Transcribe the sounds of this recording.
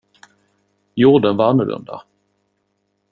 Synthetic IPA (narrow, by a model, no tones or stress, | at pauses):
juɖənvaanːʊlɵ̰nd̪a̰